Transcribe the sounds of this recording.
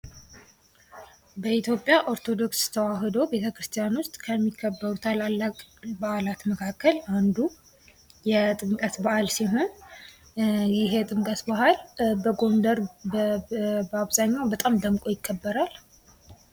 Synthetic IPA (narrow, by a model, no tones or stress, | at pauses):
bəit̪jo̞pʼjaʔoɾt̪ʰo̞d̪o̞kst̪ʰəwaɦɨd̪əwbe̞t̪ʰəkɾɨst̪ʰijanwʊst̪ʼkʰəmːikʰːəbːəɾut̪ʰalalːakʼbaʔalat̪məkʰakːəland̪u | jɛt̪ʼɨŋkʼəsbahalsiɦo̞n | jɪɦɛt̪ʼɨŋkʼəsbahalbəɡo̞nd̪əɾ | baβzaɲːawbət̪ʼamd̪əmkʼo̞jɪkʰːəbːəɾal